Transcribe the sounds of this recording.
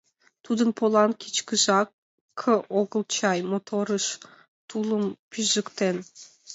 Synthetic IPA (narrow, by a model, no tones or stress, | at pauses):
t̪ʰud̪ɯnpʰolˠɑnkʲʰit͡ʃkɨʒɑː | ɤʔoɣə̆lˠt͡ʃɑjmot̪ʰoɾɯʃ | t̪ʰulˠɯmpʰʲyzykt̪en